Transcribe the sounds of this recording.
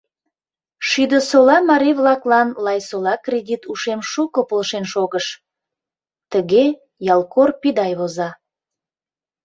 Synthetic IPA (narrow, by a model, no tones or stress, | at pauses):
ʃyd̪əsolɑmɑɾivlɑklɑnlɑjsolɑkredʲit̪uʃemʃukəpolʃenʃoɣəʃ | t̪əɣe | jɑlˠkorpid̪ɑjβozɑ